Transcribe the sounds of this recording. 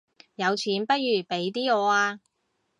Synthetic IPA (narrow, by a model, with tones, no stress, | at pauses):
jɐ˨˧wt͡sʰiː˨˥npɐ˥t̚jyː˨˩pe˨˥jt̪̬iː˥ɔː˨˧aː˧